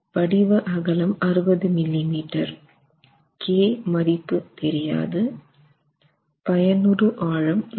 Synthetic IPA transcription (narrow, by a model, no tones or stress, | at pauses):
pɐɽɪʋɐʔɐɣɐlɐmɐɾɯbɐðɯmɪlːimiːʈːɐɾ | keːmɐɾɪpːɯt̪ɛɾɪja̰ːðɯ | pɐjɐnɯɾɯʔaːɻɐm